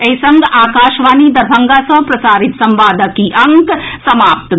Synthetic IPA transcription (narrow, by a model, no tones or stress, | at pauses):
ɐjsɐŋɡaːkaːʃʋaːnid̪ɐɾbʱɐ̃ŋɡasɐ̃pɾɐsaːɾit̪sɐ̃mʋaːd̪ʱəkiʔɐŋksɐmaːp̚t̪